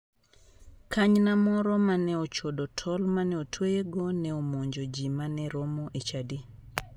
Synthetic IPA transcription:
kʰaɲnamɔɾɔmanɛɔt͡ʃodɔtʰɔlmanɛotʰweeɡɔnɛomoɲd͡ʒod͡ʒimanɛɾomɔʔet͡ʃadi

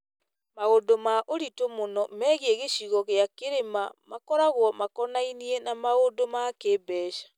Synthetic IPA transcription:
maodomaʔoɾitomonɔmɛɣeeɣeʃiɣɔɣeakeɾemamakɔɾaɣwɔmakɔnainienamaondomakebɛːʃḁ

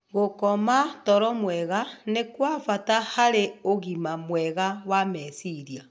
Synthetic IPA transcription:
ɣokɔmatɔɾɔmwɛɣanekwafatahaɾeoɣimamwɛɣawamɛsiɾia

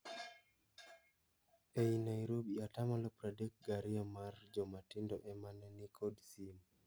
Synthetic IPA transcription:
ejnaiɾobiatamalɔpɾadek̚ɡaɾiamard͡ʒɔmatindɔʔɛmanɛnikʰɔdsim

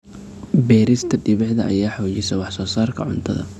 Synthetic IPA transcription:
bɛːɾɪst̪ʰɐɖɪβɛʕðɐɐ̰jaːħɔːt͡ʃɪsɛwɑħsɔːsaːrkʰɐʕʊ̰nt̪ʰɐðɐ̰

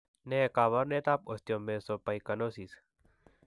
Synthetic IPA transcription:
nekaːβɐɾnet̪aːp̚ost̪ijomesopɐikɐnosis

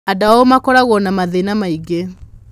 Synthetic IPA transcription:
adaɔomakɔɾaɣɔnamaðenamaiɡe

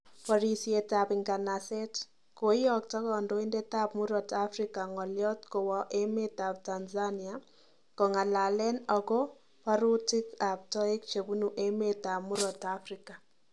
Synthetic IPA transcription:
pɔɾisietapɪŋɡanasɛt | kojɔk̚tɔkɔndoindetap̚muɾɔtafɾikaŋɔljɔtkowɔʔemetap̚tanzania | koŋalalɛnɔkɔ | paɾutɪkap̚tɔikt͡ʃebunuʔemetapmuɾɔtafrika

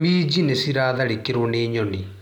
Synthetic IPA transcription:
miːd͡ʒinesiɾaːðɐɽikːiɾuɳeːɲoɳi

